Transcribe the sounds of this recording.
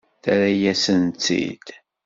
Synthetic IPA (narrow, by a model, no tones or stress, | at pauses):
θæɾæjæsənt͡sːḭd̪̥